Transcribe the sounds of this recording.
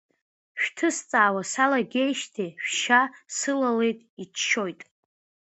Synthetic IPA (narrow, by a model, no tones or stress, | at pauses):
ʃᶣtʰɨst͡sʼaːwasalaɡʲe̞jʃtʰeʃᶣʃasɨlale̞jtʼit͡ʃʰʃo̞jtʼ